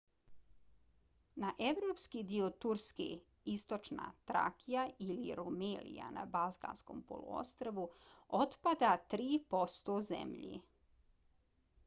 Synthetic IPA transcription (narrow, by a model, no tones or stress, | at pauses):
naʔeʋɾoːpskid̪iot̪uɾskḛ | ist̪o̞t͡ʃna̰t̪ɾa̰kʰijaʔiliɾumeːlḭja̰na̰balˠt̪ka̰nsko̞̰mpo̰lˠʔṵo̰st̪ɾaʋuot̪pad̪at̪ɾiːpo̞st̪ozḛmʎḭ